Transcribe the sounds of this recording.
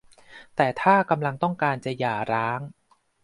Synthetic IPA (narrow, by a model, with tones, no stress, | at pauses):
t̪ɛː˨˩t̪ʰaː˥˩ka˧mla˧ŋt̪ɔ˥˩ŋkaː˧nt͡ɕa˨˩jaː˨˩ɾaː˦˥ŋ